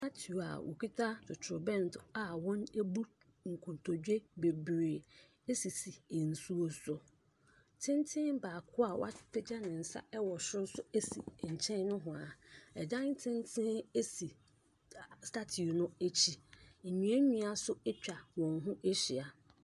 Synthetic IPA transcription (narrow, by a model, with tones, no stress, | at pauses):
ta˦tʰu˨a̰˨wʔo̰˨ki˦tʰa˦tʰʊ˨tʰʊ˨bɛ̃˦n˨tʰʊ˨a˨wɔ̃˦ne˦bu˦ | ŋ̩˨kʰũ˨tʰo˨d͡ʑᶣe˦be˨bɾeː˨ | e˦si˨si˨e˨n̩˨su˦o˦sʊ˨ | tʰɪ̃˦n˦tʰɪ̃˦baː˨kʰʊ˦a˨wʔa̰˦ɪ˦pʰe˦d͡ʑa˦nɪ̃˨n̩˨sa̰˦ɛ˦wɔ˨ɕɪ˦ɾsʊ˦e˦sḭ˨ɲ̩˨t͡ɕʰɛ̃˦n˦nʊ̃˦ɦʊ̃˨a˨ɛ˨d͡ʑã˦n˦tʰɪ̃˦n˦tʰɪ̃˦ne˦si˨ | sta˦tʰi˨nʊ̃˦e˦t͡ɕʰi˦m̩˨ɲĩ˨˦e˦ɲĩ˨˦a˨sʊ˦ɛ˦t͡ɕᶣa˨wɔ̃˨nɦʊ̃˦ʔe˦ɕɪ˨a˨